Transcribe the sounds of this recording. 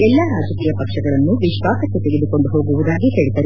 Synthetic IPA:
ɛlːɐɾaːd͡ʒɐkiːjɐpɐkʂɐɡɐɭɐnːuʋiʃʋaːsɐkːet̪eɡed̪uko̞ɳɖuɦo̞ːɡuʋud̪aːɡiɦe̞ːɭit̪ːɐɾ

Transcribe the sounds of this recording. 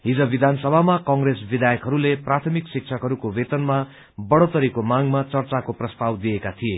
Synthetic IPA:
ɦid͡zʌbid̪ʱansʌbʱamakʌŋɡresbid̪ʱajʌkɦʌɾuleprat̪ʰʌmiksik̚t͡sʰʌkɦʌɾukobet̪ʌnma | bʌɽot̪ʌɾikomaŋmat͡sʌrt͡sakoprʌst̪awd̪ijekat̪ʰije

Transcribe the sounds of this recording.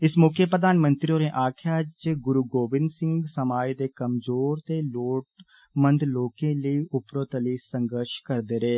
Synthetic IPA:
ɪsmoːkʰəpɾəd̪aːnmə̃nt̪ɾioːɾẽːʔaːkʰjaːd͡ʒɡʊɾuːɡoːbɪ̃nd̪sɪ̃ŋɡsəmaːid̪eːkəmzoːɾt̪eːloːʈ | mə̃nd̪loːkẽːləiːʔʊpɾoːt̪əliːsə̃ŋɡəɾʃkəɾd̪eːɾeː

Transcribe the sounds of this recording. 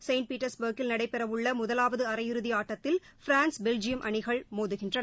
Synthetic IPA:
sɐɪɳʈ̚piːʈːɐɾsbɐɾkɪlnɐɽɐɪpːɛɾɐʋɯɭːɐmʊðɐlaːʋɐðɯɐɾɐjɪɾɯðɪaːʈːɐt̪ːɪl | fɪɾaːnsbɛld͡ʒɪjɐmʔɐɳɪɣɐɭmoːðɯɣɪndrɐnɐ

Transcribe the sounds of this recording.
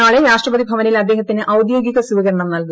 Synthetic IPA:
aːɭeɾaːʂʈrɐbɐd̪ibʱɐʋɐnilɐd̪ːe̞ːɦɐt̪ːinɨʔɐwd̪jo̞ːɡiɣɐsuʋɐɣɐɾɐɳɐmnɐlku

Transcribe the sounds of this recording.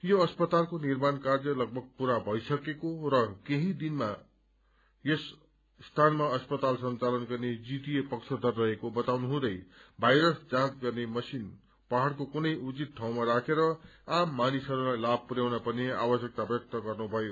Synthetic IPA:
joʌspʌt̪alkonirmankard͡zʌlʌɡ̚bʱʌɡ̚puɾabʱʌjsʌkekorʌkeɦĩd̪inma | jʌs | st̪ʰanmaʌspʌt̪alsʌnt͡salʌnɡʌrned͡zit̪ijepʌksʰʌd̪ʱʌrːʌɦekobʌt̪awnuɦũd̪ʌjbʱajɾʌsd͡zãt͡sɡʌrnemʌsin | pʌɦaɽkokunʌjud͡zit̪̚ʈʰaw̃maɾakʰeɾʌamːanisʌɾũlajlab̚ʱpuɾjawnapʌneabʌsjʌk̚t̪abʌk̚t̪ʌɡʌrnubʱʌjo

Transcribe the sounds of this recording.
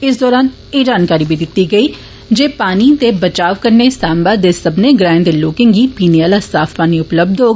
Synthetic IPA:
ɪs̬d̪ɔːɾaːn | ed͡ʒaːnkaːɾibʱid̪ɪt̪ːiɡɐiː | d͡ʒeːpaːnit̪ebɐt͡ʃaːʋkəɾnesaːmbaːd̪esɐbneɡɾãːɪ̃nd̪eloːkɪ̃ŋɡipiːneaːlasaːfpaːniʊpləb̚d̪ʱɦoːɡ

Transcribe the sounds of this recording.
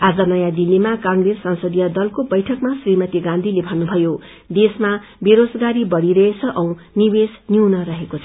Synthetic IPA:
ad͡zʌnʌjãd̪ilːimakãŋɡɾesːʌ̃nsʌd̪ijʌd̪ʌlkobʌjʈʰʌkmasrimʌt̪iɡãnd̪ʱilebʱʌnːubʱʌjo | d̪esmabeɾod͡zɡaɾibʌɽiɾʌɦet͡sʰʌʔʌ̃w̃niwesniwnʌɾʌɦekot͡sʰʌ

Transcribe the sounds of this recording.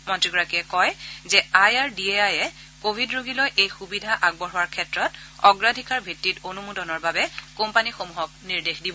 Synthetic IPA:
mɔntɹiɡɔɹakiɛkɔjzɛajaɹdieajɛ | kobʱidɹoɡilɔjʔejxubidʱaʔaɡ̚bɔɹʊwaɹkʰɛtɹɔt | ɔɡɹadʱikaɹbʱitːitonumudɔnɔɹbabɛkompanixomuɦɔk̚niɹdexdibɔ

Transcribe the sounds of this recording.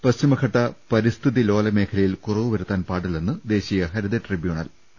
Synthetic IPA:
pɐst͡ɕimɐkʰɐʈːɐpɐɾist̪ʰiðilo̞ːlɐme̞ːkʰɐlɐjilkurɐʋɨʋɐɾut̪ːaːnpaːʈːɐlenːɨd̪e̞ːɕijɐɦɐɾid̪ɐʈribjuːɳɐl

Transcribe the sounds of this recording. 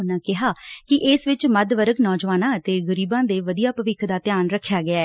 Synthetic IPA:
nãːkɪɦaːkɪʔɪsʋɪt͡ʃməd̪ʋəɾəknɔːd͡ʒʋaːnãːət̪eːɡəɾiːbãːd̪eːʋəd̪ijaːpəʋɪkʰd̪aːt̪ɪjaːnɾəkʰːjaːɡɪaɛː

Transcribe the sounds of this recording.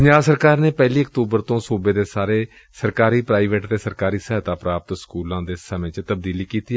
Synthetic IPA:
pəɲd͡ʒaːbsəɾkaːɾneːpɛːliːəkt̪uːbəɾt̪õːsuːbeːd̪eːsaːɾeː | səɾkaːɾiːpɾaːiʋeʈt̪eːsəɾkaːɾiːsɛɦːt̪aːpɾaːp̚t̪skuːlãːd̪eːsəmẽːt͡ʃt̪əbd̪iːliːkiːt̪iːɛ

